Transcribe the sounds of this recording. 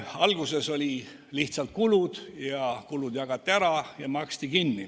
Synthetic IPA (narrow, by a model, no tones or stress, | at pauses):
ɑlɡuse̞so̞lʲi | liht̪sɑlt̪̚kulud̪̥jɑkulud̪̥jɑɡ̥ɑt̪ːiæɾɑjɑmɑkst̪ikinːi